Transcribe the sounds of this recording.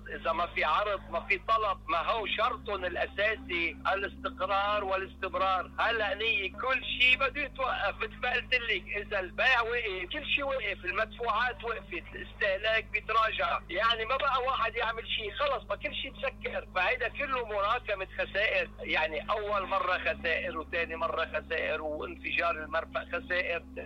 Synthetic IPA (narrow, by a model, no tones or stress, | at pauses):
ʔɪzamafiʕɑɾˤd̪ˤmafit̪ˤɑlɑb̚maɦuːʃɑɾˤt̪ˤʊnɪlʔasaːsiʔalɪst̪ɪqɾɑːɾˤwɪlɪst̪ɪmɾˤɑːɾˤhalːaʔɪnhɪjːɪkʊlːʃiːbɪd̪ːujɪt̪waʔːafmɪt̪lbaʔɪlt̪ɪlːɪkʔɪzalbaːʕwɪʔɪkʊlːʃiːwɪʔɪfɪlmat̪fuːʕaːt̪wɪʔfɪt̪ɪlʔɪst̪ɪhlaːk̚bjɪt̪ɾˤɑːʒaʕjaʕnimabaʔawaːħad̪jaʕmɪlʃiːxɑlɑsˤmakʊlːʃiːmsakːɪɾfahajd̪akʊlːʊmʊɾˤɑːkamɪxasaːʔɪɾjaʕniʔawːalmɑrˤːɑxasaːʔɪɾwt̪eːnimɑrˤːɑxasaːʔɪɾwʔɪ̰nfɪʒɑːɾˤɪlmɑɾˤfaʔxasaːʔɪɾ